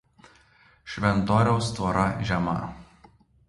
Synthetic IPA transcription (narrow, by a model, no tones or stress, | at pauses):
ʃʲʋʲɛnt̪oːɾʲɛʊst̪ʋɔːɾɐʒʲɛmɐ̰